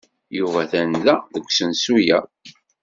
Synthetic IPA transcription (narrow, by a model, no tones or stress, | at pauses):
juvæθænðæðəɡʷsənsujæ